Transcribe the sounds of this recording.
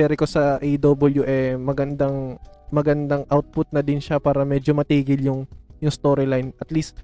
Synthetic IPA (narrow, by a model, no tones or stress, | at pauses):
ɛɾɪkosɐʔejd̪oːbɐljuʔɛmɐɡɐnd̪aŋmɐɡɐnd̪ɐŋʔawt̪̚pʊt̪̚nɐd̪ɪnʃapaːɾɐmɛːd͡ʒomɐt̪iːɡɪljʊŋjʊŋst̪oːɾɪlajnʔɐt̪list̪̚